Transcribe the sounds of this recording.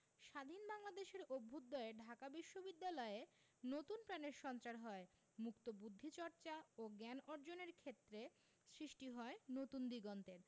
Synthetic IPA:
ʃad̪ʱinbaŋlad̪eʃeɾobʱːud̪ːɔeɖʱakabiʃːobid̪ːalɔe | not̪unpɾaneɾʃɔnt͡ɕaɾɦɔe | mukt̪obud̪ʱːit͡ɕɔɾt͡ɕaoɡɛnɔɾd͡ʑoneɾkʰet̪ːɾe | sɾiʃʈiɦɔenot̪und̪iɡɔnt̪eɾ

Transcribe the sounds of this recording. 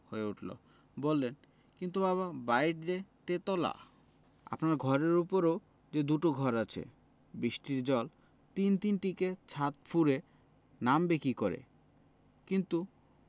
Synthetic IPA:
hoeuʈʰlo̰ | bolːen | kint̪̬ubaβabajʈd̪et̪et̪ɔla̰ | a̰pnaɾɡʱɔɾeɾupoɾo | d͡ʑed̪uʈoɡʱɔɾat͡ɕʰḛ | bɾiʃʈiɾd͡ʑɔl | t̪int̪inʈiket͡ɕʰat̪fʰuɾe | nambekikɔɾḛ | kint̪u

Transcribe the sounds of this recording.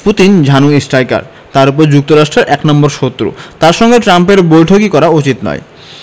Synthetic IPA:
put̪ind͡ʑʱanuesʈajka̰ɾ | t̪aɾup̬oɾd͡ʑuk̚t̪oɾaʃʈɾeɾʔɛknɔmboɾʃot̪ːɾṵt̪aɾʃɔŋɡeʈɾampeɾbojʈʰokikɔɾaut͡ɕit̪nɔ̰e

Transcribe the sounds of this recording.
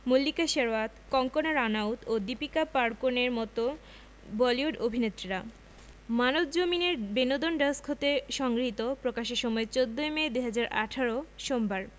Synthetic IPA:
molːikaʃeɾoat̪kɔŋkonaɾanawt̪od̪ipikapaɾkoneɾmɔt̪o | bɔliuɖobʱinet̪ːɾiɾa | manod̪d͡ʑomineɾbenod̪onɖaskʰot̪eʃɔŋɡɾit̪opɾokaʃeʃɔmɔet͡ɕod̪ːoemeed̪uɦad͡ʑaɾʔaʈʰaɾoʃombaɾ

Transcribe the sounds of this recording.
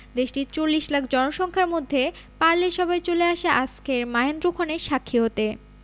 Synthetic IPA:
d̪eʃʈiɾt͡ɕolːiʃlakʰd͡ʑɔnoʃɔŋkʰaɾmod̪ʱːe | paɾleɾʃɔbaet͡ɕoleaʃeʔaskʰeɾmaend̪ɾokʰɔneɾʃakʰːiɦot̪e

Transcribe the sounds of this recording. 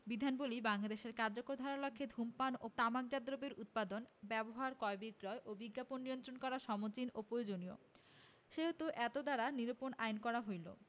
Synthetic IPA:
bid̪ʱanbolibaŋlad̪eʃeɾkaɾd͡ʑokoɾd̪ʱaɾalɔkʰːed̪ʱumpanot̪amak̚d͡ʑad̪ɾobeɾut̪̚pad̪onbɛboɦaɾkɔebiɡɾɔeʔobiɡːaponːijont̪ɾonkɔɾaʃɔmot͡ɕinopɾojod͡ʑonio̰ | ʃeɦot̪uʔɛt̪od̪aɾaniɾoponajnkɔɾaɦojlo̰

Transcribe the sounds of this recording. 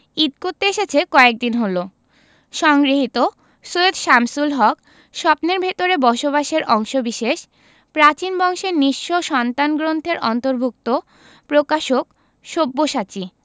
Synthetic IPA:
id̪̚koɾt̪ːeeʃet͡ɕʰekɔek̚d̪inɦolo | ʃɔŋɡɾiɦit̪o | soed̪ʃamsulɦɔk | ʃɔpneɾbʱet̪oɾebɔʃoβaʃeɾʔɔŋʃobiʃeʃ | pɾat͡ɕinbɔŋʃeɾniʃːoʃɔnt̪anɡɾont̪ʰeɾɔnt̪oɾbʱuk̚t̪o | pɾokaʃok | ʃobːoʃat͡ɕi

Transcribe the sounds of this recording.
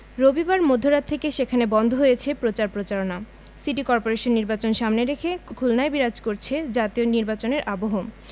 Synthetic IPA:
ɾobibaɾmod̪ʱːoɾat̪̚t̪ʰːekeʃekʰanebɔnd̪ʱoɦojet͡ɕʰepɾot͡ɕaɾpɾot͡ɕaɾona | siʈikɔɾpoɾeʃonːiɾbat͡ɕonʃamneɾekʰekʰulnaebiɾad͡ʑkoɾt͡ɕʰed͡ʑat̪ioniɾbat͡ɕoneɾʔaboɦom

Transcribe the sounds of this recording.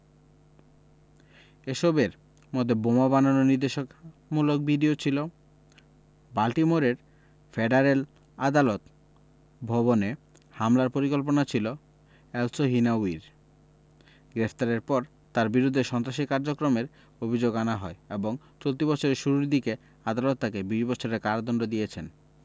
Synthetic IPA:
eʃɔbeɾ | mod̪ʱːebomabananoniɾd̪eʃok | mulok̚biɖiot͡ɕʰilo | balʈimoɾeɾ | fʰeɖaɾel | ad̪alot̪ | bʱɔβone | hamlaɾpoɾikolp̬onat͡ɕʰilo | ɛlsoɦinauiɾ | ɡɾepʰt̪aɾeɾpɔɾ | t̪aɾbiɾud̪ʱːeʃɔnt̪ɾaʃikaɾd͡ʑokɾomeɾ | obʱid͡ʑoɡanaɦɔeeboŋ | t͡ɕolt̪ibɔt͡ɕʰoɾeʃuɾuɾd̪ike | ad̪alot̪ːakebiʃbɔt͡ɕʰoɾeɾkaɾad̪ɔnɖod̪ijet͡ɕʰen

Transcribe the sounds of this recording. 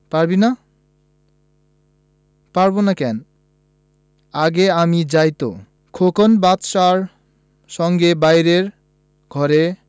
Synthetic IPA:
paɾbina | paɾbonakɛn | aɡeamid͡ʑajt̪o̰ | kʰokonbat̪ʃaɾ | ʃɔŋɡebajɾeɾ | ɡʱɔɾe

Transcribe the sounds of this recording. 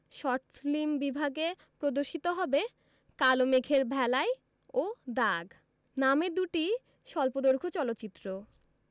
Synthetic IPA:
ʃɔɾʈflimbibʱaɡe | pɾod̪oɾʃit̪oɦɔbe | kalomekʰeɾbʱɛlaj | od̪aɡ | named̪uʈi | ʃɔlpod̪oɾkʰot͡ɕɔlot̪ːɕit̪ːɾo

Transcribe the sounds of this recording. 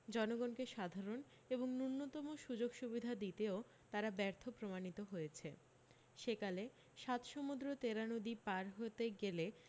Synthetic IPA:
d͡ʑɔnoɡonkeʃad̪ʱaɾon | eboŋnunːot̪ɔmoʃud͡ʑoɡʃubid̪ʱad̪it̪eo | t̪aɾabɛɾt̪ʰopɾomanit̪oɦojet͡ɕʰe | ʃekale | ʃat̪ʃomud̪ɾot̪eɾanod̪ipaɾɦot̪eɡele

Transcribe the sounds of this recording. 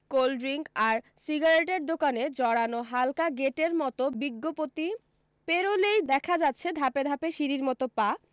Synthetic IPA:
kolɖɾiŋkaɾ | siɡaɾeʈeɾd̪okaned͡ʑɔɽanoɦalkaɡeʈeɾmɔt̪obiɡːopot̪i | peɾolejd̪ɛkʰad͡ʑatːɕʰed̪ʱaped̪ʱapeʃiɾiɾmɔt̪opa

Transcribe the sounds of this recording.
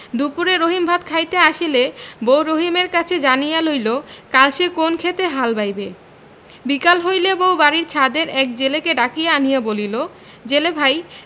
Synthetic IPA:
d̪upuɾeɾoɦimbʱat̪kʰajt̪eaʃilebowɾoɦimeɾkat͡ɕʰed͡ʑanijalojlokalʃekonkʰet̪eɦalbajbe | bikalɦojlebowbaɾiɾt͡ɕʰad̪eɾɛk̚d͡ʑelekeɖakijeanijabolilo | d͡ʑelebʱaj

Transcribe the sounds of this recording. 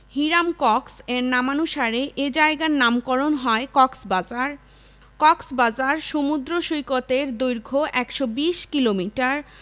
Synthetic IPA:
hiɾamkɔkseɾnamanuʃaɾeʔed͡ʑaeɡaɾnamkɔɾonɦɔekɔksbad͡ʑaɾ | kɔksbad͡ʑaɾʃomud̪ɾoʃojkot̪eɾd̪ujɾɡʱoʔɛkʃobiʃkilomiʈaɾ

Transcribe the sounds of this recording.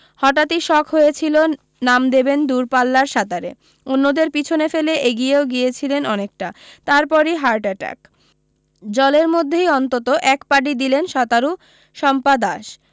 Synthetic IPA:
hɔʈat̪iʃɔkʰɦojet͡ɕʰilo | namd̪ebend̪uɾpalːaɾʃat̪aɾḛ | onːod̪eɾpit͡ɕʰonefeleʔeɡijeoɡiet͡ɕʰilenɔnek̚ʈat̪aɾpɔɾiɦaɾʈɛʈa̰k | d͡ʑɔleɾmod̪ʱːejɔnt̪ot̪oʔɛkpaɖid̪ilenʃat̪aɾu | ʃɔmpad̪aʃ

